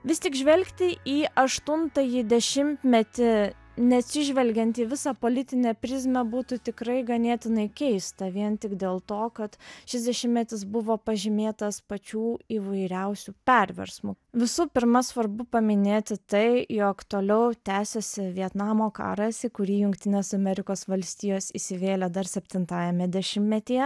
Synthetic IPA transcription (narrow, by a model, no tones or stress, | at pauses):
ʋʲɪst̪ʲɪkʒʲʋʲɛlʲkt̪ʲɪʔiːʔɐʃt̪ʊnt̪ɐjid̪ʲɛʃʲɪmʲt̪ʲmʲɛt̪ʲɪ | nʲɛɐt̪ʲsʲɪʒʲʋʲɛlʲɡʲɛnʲt̪iːʋʲɪsɑpoːlʲɪt̪ʲɪnʲɛpʲɾʲɪzʲmʲɛbuːt̪ʊt̪ʲɪkɾɐɪɡɐnʲeːt̪ʲɪnɐɪkʲɛɪst̪ɐʋʲiɛnt̪ʲɪkd̪ʲeːlˠt̪oːkɐt̪ʃʲɪzʲd̪ʲɛʃʲɪmʲmʲɛt̪ʲɪs̬bʊʋoːpɐʒʲɪmʲeːt̪ɐspɐt͡ʃʲuːiːʋɐɪɾʲɛʊsʲupʲɛɾʲʋʲɛ̰ɾsmu | ʋʲɪsupʲɪɾmɐsʋɐɾbʊpɐmʲɪnʲeːt̪ʲɪt̪ɐɪjoːkt̪oːlʲɛʊt̪ʲæːsʲosʲɪʋʲiɛt̪nɑːmoːkɑ̰ːɾɐsɪkʊɾʲiːjʊŋkt̪ʲɪnʲeːsɐmʲɛɾʲɪkoːsʋɐlʲsʲt̪ʲiːjoːsiːsʲɪʋʲeːlʲɛd̪ɐrsʲɛpʲt̪ʲɪnt̪ɑːjɛmʲɛd̪ʲɛʃʲɪmmʲɛt̪ʲijɛ